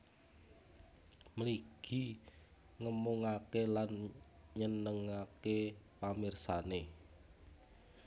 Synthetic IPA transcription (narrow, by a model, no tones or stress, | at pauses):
məliɡ̥i | ŋəmuŋakelan | ɲənəŋakepamirsane